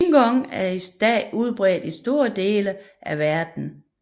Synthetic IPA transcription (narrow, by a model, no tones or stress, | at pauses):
ɡ̥ɒŋæɐisd̥ɛ̰ːuð̞ˠb̥ʁɛ̰ːd̥isd̥o̝ːɐd̥e̝̰ːlə | ʔæʋæɐd̥n̩